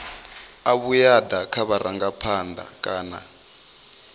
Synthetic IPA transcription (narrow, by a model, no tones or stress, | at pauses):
aβujad̪akʰaβaɾaŋɡapʰand̪a̰kʼaːna̰